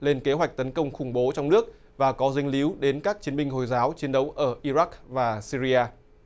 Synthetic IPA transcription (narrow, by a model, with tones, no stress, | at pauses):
le˧nke˨˦ɦwa˨˩jk̚t̪ə˨˦nkə˧wŋ͡mxʊ˧˩ŋ͡mɓo˨˦t͡ɕɔ˧wŋ͡mnɨ˦˥ək̚ | vaː˨˩kɔ˨˦zi˧ŋ̟li˨˦wɗe˨˦nkaː˦˥k̚t͡ɕi˨˦ənmï˧ŋ̟ɦo˨˩jzaː˨˦wt͡ɕi˨ənɗə˨˦wʔəː˧˩ʔi˧za˦˥k̚vaː˨˩si˧ɾi˧ʔaː˧